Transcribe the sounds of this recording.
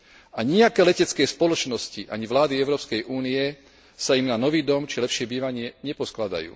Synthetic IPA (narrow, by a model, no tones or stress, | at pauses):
aɲiakɛːlɛcɛt͡skɛːspɔlɔt͡ʃnɔsciʔaɲiʋlaːd̪iɛʊɾɔːpskɛjʔuːniɛ | saimnanɔʋiːd̪ɔmt͡ʃilɛpʃɪɛbiːʋaɲɪɛɲɛpɔsklad̪a̰jṵː